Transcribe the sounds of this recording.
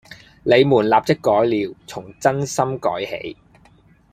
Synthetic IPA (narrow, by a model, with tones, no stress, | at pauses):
le˨˧jmuː˨˩nlaː˨p̚t͡sɪ˥kːɔː˨˥jliː˨wt͡sʰʊ˨˩ŋt͡sɐ˥nsɐ˥mkɔ̰ː˨˥jhḛ˨˥j